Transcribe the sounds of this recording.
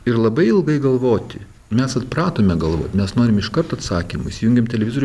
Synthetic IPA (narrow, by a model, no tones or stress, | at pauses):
ɪɾlˠɐbɐɪɪlˠɡɐɪɡɐlˠʋoːt̪ʲɪ | mʲɛsɐt̪pɾɑːt̪oːmʲɛɡɐlˠʋo̰ːt̪ʲmʲɛsnoːɾʲɪmɪʃkɐɾt̪ɐt̪sɑːkʲimʊ̰isʲɪjʊŋʲɡʲeɛmt̪ʲɛlʲɛʋʲɪzoːɾʲ